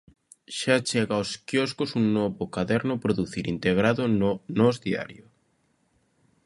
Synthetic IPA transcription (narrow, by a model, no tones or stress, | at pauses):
ʃat͡ʃɛɣaoskjɔskosuŋnɔβokaðɛɾnʊpɾoðuθiɾint̪eɣ̞ɾaðonozðia̰ɾjo